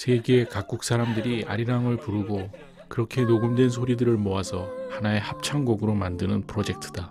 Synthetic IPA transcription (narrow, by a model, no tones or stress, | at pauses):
sʰe̞ɡeːkak̚k͈uk̚s͈ʰaɾamdɯɾia̰ɾiɾaŋɯɭpuɾuɡo | kɯɾʌkʰe̞noɡɯmdwe̞nsʰoɾidɯɾɯɭmoasʰʌhanae̞hap̚t͡ɕʰaŋɡoɡɯɾomandɯnɯnpʰɯɾod͡ʑe̞k̚tʰɯ̥d̥a